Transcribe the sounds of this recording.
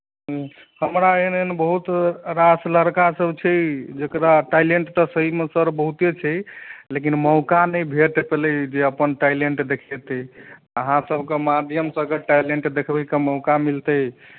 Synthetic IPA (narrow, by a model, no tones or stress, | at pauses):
ɦĩ | həmɾaenenbəɦut̪ɾasləɾkasəbt͡ʃʰɛd͡ʒəkɾaʈajleɳʈt̪ɔsəɦimesəɾbəɦut̪et͡ʃʰɛlekinməwkanəjbʱeʈpelɛjd͡ʒeəpənʈajleɳʈd̪ekʰɛt̪ə | əɦãsəbʱkemad̪ʱjəmsəkeʈajleɳʈd̪ekʰbəjkeməʊkamilt̪əj